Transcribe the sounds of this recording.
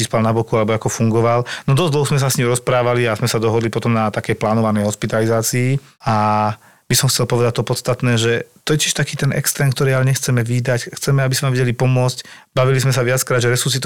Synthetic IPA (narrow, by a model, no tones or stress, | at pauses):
t͡ʃispalnabɔkualɛbɔakɔfuŋɡɔʋalnɔd̪ɔzd̪l̩ˠɦɔzmɛs̬asɲimɾɔspɾaːʋaliazmɛsad̪ɔɦɔd̪lipɔt̪ɔmnat̪akɛjplaːnɔʋanɛjɦɔspit̪alizaːt͡siː | a | bisɔmxt͡sɛlpɔʋɛd̪ac̚t̪ɔpɔt̪st̪at̪nɛːʒɛt̪ɔjɛciʃt̪akiːt̪ɛnɛ̰kst̪ɛːnkt̪ɔɾialɛɲɛxt͡sɛmɛʋiːd̪acxt͡sɛmɛabisɛmaʋɛɟɛlipɔmʊɔt͡scbaʋilismɛsaʋɪat͡skɾaːd̪ʒɛɾɛsus̬it̪